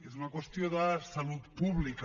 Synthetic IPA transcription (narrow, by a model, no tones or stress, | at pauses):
es̬unakwest̪joðasaluðpuβlika